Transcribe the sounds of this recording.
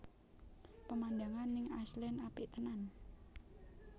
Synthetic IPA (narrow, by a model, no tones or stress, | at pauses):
pəmand̪aŋanːɪŋaslɛnapɪʔt̪ənan